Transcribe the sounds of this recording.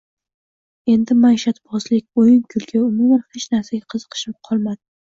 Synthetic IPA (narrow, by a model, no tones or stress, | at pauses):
e̞nd̪ɪmajʃat̪bɒzlɪkʲojɪŋkʰʊlɡʲʰaʊmumanhet͡ʃnaɾsaɡʲaqʰɨzɨ̥qʰɨ̥ʃɪpqʰɒlˠmad̪ɪ